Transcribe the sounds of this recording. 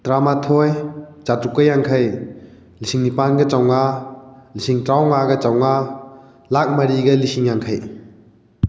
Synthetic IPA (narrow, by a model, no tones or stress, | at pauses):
tɾamatʰojt͡ʃatukːɐjaŋkʰɐj | lisiŋnipanɡɐt͡ʃawŋa | lisiŋtɾawŋaɡɐt͡ʃawŋa | lak̚mɐɾiɡɐlisiŋjaŋkʰəj